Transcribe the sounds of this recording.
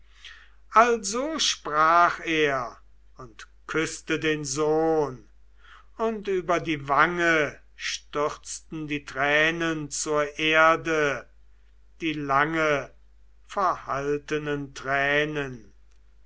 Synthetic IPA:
ʔalzoːʃpʁaːχeːɐ | ʊnt | kʰʏstədeːnzoːn | ʊntyːbɐdiːvaŋə | ʃtʏχt͡stn̩diːtʁɛːnənt͡suːɐʔeɐdə | d̥iːlaŋə | fɛɐhaltənəntʁɛːnən

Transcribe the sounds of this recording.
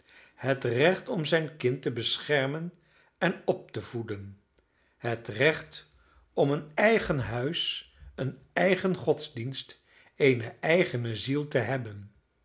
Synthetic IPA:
hətrɛχtɔmzɛjnkɪntəbəsχɛɹmən | ɛnɔp̚təv̥udən | ɦətrɛχt | ɔmənɛjχənɦœɥs | ən | ɛjχənχɔtzdinst | ejnəʔɛjχənəzilˠtəɦɛbən

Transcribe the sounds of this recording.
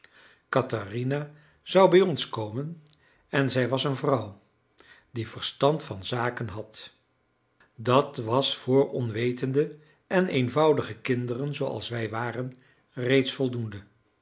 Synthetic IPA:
kɑtarina | z̥ɑwbɛjɔnskowmən | ɛnzɛjʋɑsənvrʌw | divəɹstɑntfɑnzaːkənɦɑt | dɑtʋɑsfʊːɹɔnʋejtəndə | ʔɛnejnvʌwdəχəkɪndərənzowɑ̰lˠsʋɛjʋaːrən | rejtsfɔlˠdundə

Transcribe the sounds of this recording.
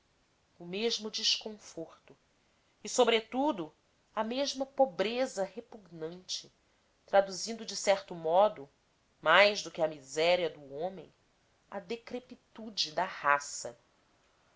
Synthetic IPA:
ʊmeʒmʊd͡ʒiʃkõfoɾt̪ʊ | ɪsobɾet̪ud̪ʊ | ɐmeʒmɐpobɾezɐɦepuɡnɐ̃nt͡ʃɪ | t̪ɾad̪uzĩnd̪ʊd͡ʒɪsɛɾt̪ʊmɔd̪ʊ | majʒd̪ʊkɪɐmizɛɾiɐd̪ʊõmẽj̃ | ɐd̪ekɾepit̪ud͡ʒɪd̪ɐhasɐ

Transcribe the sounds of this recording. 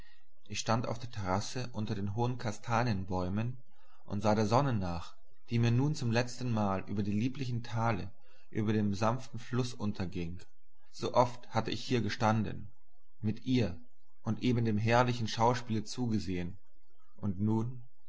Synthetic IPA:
ʔɪçʃtantaʊfd̥eːɐtʰɛʁ̞asəʔʊntɐdeːnɦoːənkʰastʰaːnjənbɔʏmən | ʔʊ̰ntz̥aːɾeːɐzɔnənaːχ | d̥iːmiːɐnuːnt͡sʊmlɛt͡stn̩maːlʔy̰ːbɐdiːliːplɪçn̩tʰaːlə | ʔy̰ːbɐdeːmzanftn̩flʊsʔʊntʰɐɡɪŋ | z̥oːʔɔfthatəɪçhiːɐɡəʃtandən | mɪtʔiːɐ | ʔʊntʔeːbn̩deːmɦɛɐlɪçn̩ʃaʊʃpiːlət͡suːɡəzeːən | ʔʊntnuːn

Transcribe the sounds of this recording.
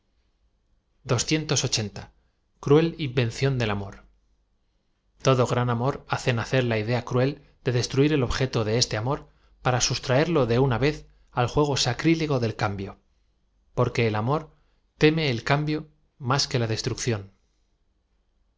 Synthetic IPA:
d̪o̞sθje̞nt̪o̞so̞t͡ʃe̞nt̪a | kɾue̞limbe̞nθjo̞nd̪e̞lamo̞ɾ | t̪o̞ðo̞ɣ̞ɾanamo̞ɾaθe̞naθe̞ɾlaið̞e̞akɾue̞l | d̪e̞ðe̞st̪ɾuiɾe̞lo̞βxe̞t̪o̞ðe̞est̪e̞amo̞ɾ | paɾasust̪ɾae̞ɾlo̞ðe̞unaβe̞θ | alxwe̞ɣ̞o̞sakɾileɣo̞ðe̞lkambjo̞ | po̞ɾke̞ːlamo̞ɾ | t̪e̞me̞ːlkambjo̞ | maske̞lað̞e̞st̪ɾukθjo̞n

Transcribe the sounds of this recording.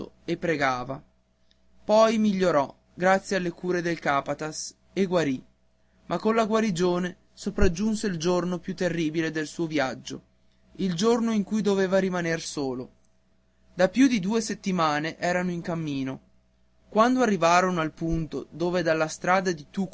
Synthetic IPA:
o̰ | epːɾeɡaːva | pɔjmiʎːoɾɔ | ɡɾat̪sːjealːekuːɾed̪elkaːpat̪as | eɡwaɾi | mʔakːonlaɡwaɾid͡ʒoːne | sopɾad͡ʒːunseild͡ʒornopjut̪ːerːiːbiled̪elsuːovjad͡ʒːo̰ | ild͡ʒornoiŋkujd̪oveːvaɾimanersoːlo | d̪apjud̪id̪uːeset̪ːimaːneʔɛːɾanoiŋkamːiːno | kwand̪oarːivaːɾonoalpunt̪od̪oːved̪alːast̪ɾaːd̪ad̪it̪uk

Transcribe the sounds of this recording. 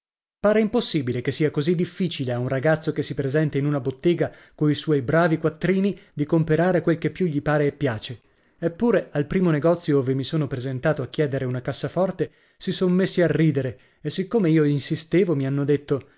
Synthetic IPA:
paːɾeimposːiːbilekesːiːakozid̪ːifːiːt͡ʃileaunraɡat̪sːokesːipɾezɛnt̪einunabot̪ːeːɡa | koiswɔjbɾaːvikwat̪ːɾiːnid̪ikompeɾaːɾekwelkepːjuʎːipaːɾeːpːjaːt͡ʃe | epːuːɾealpɾiːmoneɡɔt̪sːjooːvemisoːnopɾezent̪aːt̪oakːjɛːd̪eɾeunakasːafɔrt̪e | sisonmesːiarːiːd̪eɾe | esːikːoːmeiːoinsist̪eːvomianːod̪et̪ːo

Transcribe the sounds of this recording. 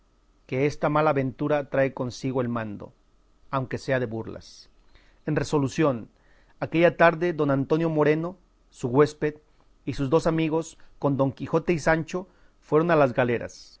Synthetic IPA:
ke̞est̪amalaːβe̞nt̪uɾat̪ɾaeko̞nsiɣo̞e̞lmãnd̪o̞̰ | awŋke̞se̞aðe̞βuɾla̰s | e̞nre̞so̞lusjo̞n | ake̞ʝat̪aɾðe̞ðo̞nant̪o̞njo̞mo̞ɾe̞no̞ | suɣwe̞speð | isuzd̪o̞samiɣo̞sko̞nd̪o̞ŋkixo̞t̪e̞isant͡ʃo̞ | fwe̞ɾo̞nalazɣale̞ɾa̰s

